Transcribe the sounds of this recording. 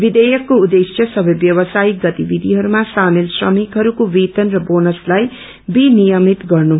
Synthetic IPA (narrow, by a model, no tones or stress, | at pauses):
bid̪ʌjʌkːoud̪esjʌsʌbʌjbjʌwʌsajiɡʌt̪ibid̪ʱiɦʌɾumasamelsrʌmikɦʌɾukowit̪ʌnrʌbonʌslaj | binijʌmit̪ɡʌrnu